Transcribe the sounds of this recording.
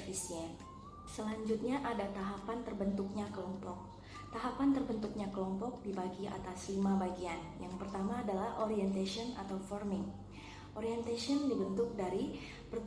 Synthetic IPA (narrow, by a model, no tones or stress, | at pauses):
fisiɛn | səlaɲd͡ʒut̪̚ɲaʔadat̪aɦapant̪ərbənt̪ʊk̚ɲakəlɔmpɔk̚ | t̪aɦapant̪ərbənt̪uk̚ɲakəlɔmpɔk̚dibaɡiʔa̰t̪aslimabaɡianjaŋpərt̪amaːdalahʔoɾiɛnt̪asiɔna̰t̪awfɔrmɪŋ | ʔɔɾiɛnt̪asiɔndibənt̪ʊk̚daɾi | pərt̪